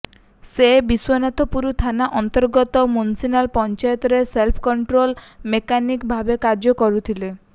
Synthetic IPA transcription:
sebiswɔnat̪ɔpuɾut̪ʰanaʔɔnt̪ɔɾɡɔt̪ɔmunsinalpɔnt͡ʃajɔt̪ɔɾeselpʰɔkɔɳʈɾolmekanikbʱabekaɾd͡ʒɔkɔɾut̪ʰile

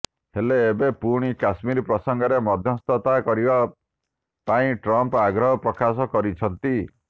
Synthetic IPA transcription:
heleːbepuɽ̃ikasmiɾpɾɔsɔŋɡɔɾemɔd̪ʱjɔst̪ɔt̪akɔɾiba | paĩʈɾɔmpaɡɾɔɦɔpɾɔkasɔkɔɾit͡ʃʰɔnt̪i

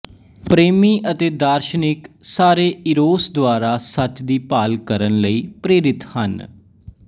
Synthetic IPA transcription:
pɾeːmiːʔət̪eːd̪aːɾʃənɪksaːɾeːɪɾoːsd̪ʊaːɾaːsət͡ʃd̪iːpaːlkəɾənləiːpɾeːɾɪt̪hən

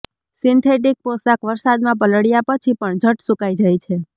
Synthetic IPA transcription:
sint̪ʰeʈ̬ik̚posakʋəɾsad̪mãp̬ələɽjapət͡ʃʰipəɳd͡ʒʱəʈsukajd͡ʒajt͡ʃʰe

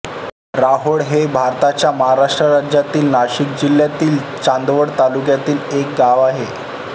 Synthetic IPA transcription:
ɾaɦoɽɦebʱaɾt̪at͡ɕjaməɦaɾaʂʈɾəɾad͡ʑjat̪iːlnaɕik̚d͡ʑilːjat̪iːl | t͡ɕãnd̪ʋəɽt̪alukjat̪iːlek̚ɡaʋaɦe

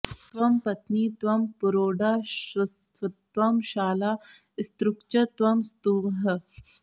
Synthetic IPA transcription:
t̪ʋɐmpɐt̪niːt̪ʋɐmpuɾoːɖaːɕɐst̪ʋɐt̪ʋɐmɕaːlaː | st̪ɾukt͡ʃɐt̪ʋɐmst̪uːʋɦɐ

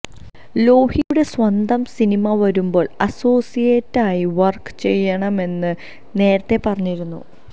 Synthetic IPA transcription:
lo̞ːhijuɽe̞swɐnd̪ɐmsinimɐʋɐɾumbo̞ːɭɐso̞ːsijeːtːaːjiʋɐrkɨ̥t͡ɕe̞jːɐɳɐme̞nːɨ | ne̞ːɾɐt̪ːe̞pɐrɐɲːiɾunːṵ

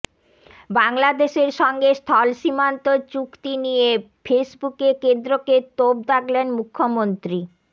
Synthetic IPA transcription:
baŋlad̪eʃeɾʃɔŋɡest̪ʰɔlʃimant̪ot͡ɕukt̪inije | fesbukekend̪ɾoket̪ob̚d̪aklenmukʰːomont̪ɾi

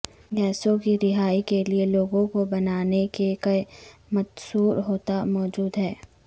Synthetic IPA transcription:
ɡɛːsõkiɾɪɦaːikelieloːɡõkobɐnaːnekekɐimɐt̪suːɾɦoːt̪amɔːd͡ʒuːd̪ɦɛː

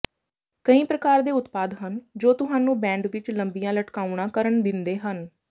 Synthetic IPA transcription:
kəĩːpɾəkaːɾd̪eːʊt̪paːd̪ɦənd͡ʒoːt̪ʊɦaːnũːbɛ̃ːɳɖʋɪt͡ʃləmbijãːləʈkaːuɳ̃ãːkəɾəɳd̪ɪnd̪eːɦən

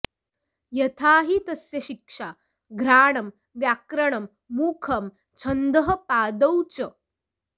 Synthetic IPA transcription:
jɐt̪ʰaːɦit̪ɐsjɐʃikʂa | ɡɾaːɳɐm | ʋjaːkɾɐɳɐmː | uːkʰɐm | t͡ʃʰɐnd̪ɐɦɐpaːd̪ɐwt͡ɕɐ

